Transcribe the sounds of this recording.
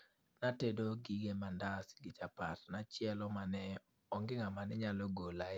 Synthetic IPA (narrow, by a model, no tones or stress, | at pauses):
natedoɡiɡemandasɡɪt͡ʃapatnat͡ʃɪɛlɔmanɛ | ɔŋɡɪŋamanɛɲalɔɡola